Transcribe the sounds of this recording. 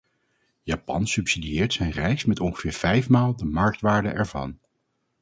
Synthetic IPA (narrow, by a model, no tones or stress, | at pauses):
jaːpɑ̰nsɵpsidiɪːɹtsɛjnrɛjksmɛtɔnχəv̥ɪːɹv̥ɛjfmaːlˠdəmɑɹk̚tʋaːɹdə̰ʔɛɹvɑ̰n